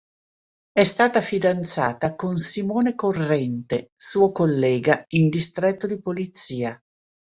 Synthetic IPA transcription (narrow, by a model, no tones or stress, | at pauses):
ɛst̪aːt̪afid̪ant̪sa̰ːt̪akonsimoːnekorːɛnt̪esuːokolːɛːɡaind̪ist̪ɾɛt̪ːod̪ipolit̪siːa